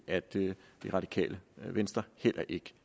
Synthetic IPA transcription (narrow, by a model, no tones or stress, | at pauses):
æd̥d̥iʁɑ̈d̥i̥kʰɛ̰ːləʋensd̥ʁɐhel̰ʔɐʔe̝ɡ̥ə